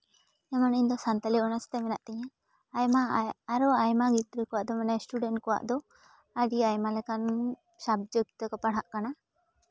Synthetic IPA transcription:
ɛmaniɲd̪ɔsant̪aliʔɔnast̪ɛmɛnaʔt̪ɛɲã | aaɾɔajmaɡit̪ɾəkɔwaʔd̪ɔmanajsʈuɖɛnʈkɔwa̰ʔd̪ɔ | əɖiajmalɛkan | sab̚d͡ʒəɡit̪əkɔpaɽ̤ɦaʔkana

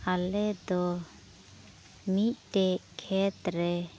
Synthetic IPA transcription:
alɛd̪ɔ | mit̪̚ˀʈɛkʰɛt̪ɾɛ

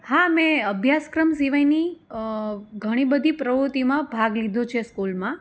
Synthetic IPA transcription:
hamɛ̃əbʱjaskɾəms̬iʋajni | ɡʱəɽ̃ibəd̪ʱipɾəʋɾut̪imãbʱaɡlid̪ʱõt͡ʃʰeskulmã

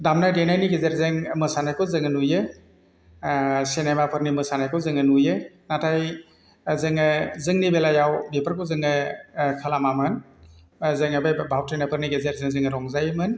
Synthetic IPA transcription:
damnajdenajniɡezeɾzɯŋmɯsanajkʰɔzɯŋɯnujɯ | senajmapʰɯɾnimɯsanajkʰɔwzɯŋɯnujɯnatʰaj | zɯŋɯzɯŋnibelajawbepʰəɾkʰɔzɯŋɯkʰalamamɯn | zɯŋabajbawtʰɾenapʰɯɾniɡezeɾzɯŋzɯŋɯɾɔŋzajmɯn

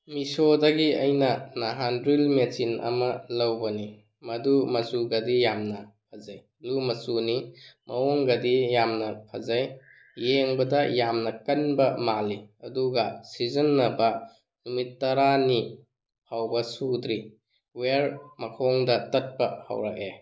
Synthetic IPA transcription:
misodɐɡiɐjnɐnaɦanɾilmesinɐ̰mɐlɐwbɐni | mɐdumɐsuɡɐdijamnɐpʰazaj | lumɐsunimɐoŋɡɐdijamnɐpʰa̰zajː | eŋbɐdɐjamnɐkɐnbɐmaliɐduɡɐsizɐnːɐbɐ | numitːɐɾani | pʰawbɐsud̪ɾi | weɾmɐkʰoŋdɐtɐt̚pɐhɐ̰wɾa̰k̚e

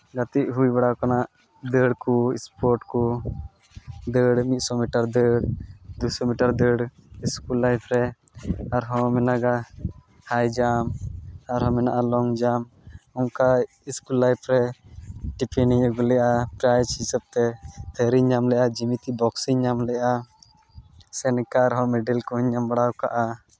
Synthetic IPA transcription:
ɡat̪iʔɦujbɛɽakanaʔ | d̪əɽkɔḭspɔɾʈkɔ | d̪əɽmit̪̚ˀsɔmiʈaɾd̪əɽd̪ujsɔmiʈaɾd̪əɽiskulːajpʰɾɛ | aɾɦɔ̃mɛnaɡa | hajd͡ʒamaɾɦɔ̃mɛnaʔalɔŋd͡ʒam | ɔŋka | iskulːajpɾɛ | ʈipɛniɔɡɔlɛjʔapɾajt͡ʃisəp̚t̪ɛt̪ʰəɾiɲːamlɛʔad͡ʒimit̪ibɔksiɲːamlɛjʔa | sɛnɛkaɾɦɔ̃mɛɖɛlkɔɦɔɲːambaɽawkaʔa

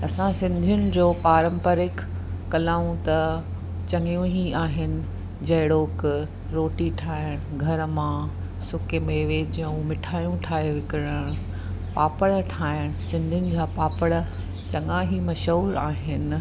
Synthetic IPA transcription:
ɐsãsɪ̃nd̪ʱijʊnɪ̆d͡ʑoːpaːɾə̃mpəɾɪkː | ɐlaːũt̪ɐ | t͡ɕɐŋijũɦiaːɦɪnɪ̆ | d͡ʑɐɦɪɽoːk | ɾoːʈiʈʰaːɪɽ̃ʊɡʱɐɾmã | sʊkemeːʋeːd͡ʑiə̃umɪʈʰaːjũʈʰaːɦeʋɪkɪɾəɽ̃ | paːpəɽʈʰaːɪɽ̃ʊsɪ̃nd̪ʱijʊnɪ̆d͡ʑaːpaːpəɽə | t͡ɕɐŋãɦimɐʃɦuːɾaːɦɪnɪ

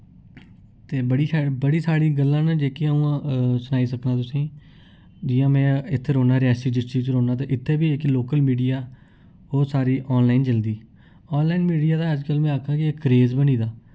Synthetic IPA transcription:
t̪eːbəɽiːbəɽiːsaːɽiːɡəlːãːnd͡ʒeːkiəũːsʊnaːiːsəknãːt̪ʊsĩː | d͡ʒiːjãːmɛ̃ːɪt̪ʰːɾoːnaːɾaːsiːd͡ʒɪsʈiːzɾoːnaːt̪̬eːʔɪt̪ʰːeːbiːɪkloːkəlmiːɖijaː | ɦoːsaːɾiːʔɔːnlaːɪnd͡ʒəld̪iː | ɔːnlaːɪnmiːɖijaːd̪aːəd͡ʒkəlmɛ̃ːakʰaːkɪekɾeːzbəniːd̪aː

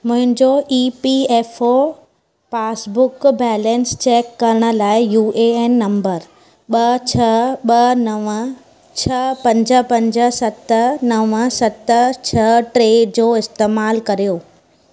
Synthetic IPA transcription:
mʊ̃ɦɪ̃n̆d͡ʑoʔiːpiɛːfo | paːsbʊkbɛːlɛ̃nst͡ɕeːkːɐɾəɽ̃ə̆laːɪjuːʔeeːnːɐ̃mbəɾ | ɓɐt͡ɕʰɐɓɐnɐʋ | t͡ɕʰɐpɐ̃ɲd͡ʑə̆pɐ̃ɲd͡ʑə̆sɐt̪nɐʋəsɐt̪t͡ɕʰɐʈɾeːɖd͡ʑoːɪst̪eːmaːlkɐɾijoː

